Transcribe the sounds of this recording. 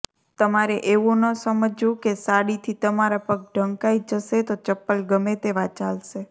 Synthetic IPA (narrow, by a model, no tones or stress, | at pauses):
t̪əmaɾeʔeʋũnəsəməd͡ʒjũkesaɽit̪ʰit̪əmaɾapək̚ɖʱəŋkaid͡ʒəʃet̪ot͡ʃəpːəlɡəmet̪eʋat͡ʃalʃe